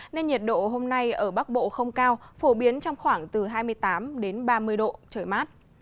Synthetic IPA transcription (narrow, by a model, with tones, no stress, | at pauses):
ne˧nɲɛ˨˩t̚ɗo̰˧˨ɦo˧mna˧jʔəː˧˩ɓa˦˥k̚ɓo̰˧˨xə˧wŋ͡mkaː˧wfo˧˩ɓi˨˦ənt͡ɕɔ˧wŋ͡mxwaː˧˩ŋt̪ɨ˨˩ɦaː˧jmɨ˧əjt̪aː˨˦mɗe˨˦nɓaː˧mɨ˧əjɗo̰˧˨t͡ɕəː˧˩jmaː˦˥t̚